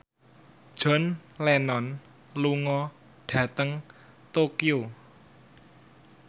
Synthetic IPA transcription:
d̥ʒ̥ɔ̤nlɛnɔn | luŋɔ | ɖ̥ä̤t̪əŋ | t̪okio

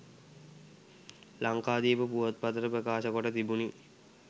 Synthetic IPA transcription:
laŋkaːd̪iːpəpuʋət̪̚pat̪əɾəpɾəkaːʃəkoʈət̪ibuni

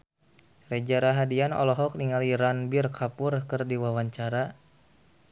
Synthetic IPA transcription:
red͡ʒaɾaɦadianɔ̰lɔɦɔk̚niŋaliɾanbirkʰapʊrkɨrdiwawaɲt͡ʃaɾa

